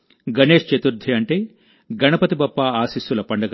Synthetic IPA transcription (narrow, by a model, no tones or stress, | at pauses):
ɡɐne̞ːʂt͡ʃɐt̪uɾd̪ʱiɐɳʈeː | ɡɐnɐpɐt̪ibɐpːaːaːsisulɐpɐɳɖɐɡ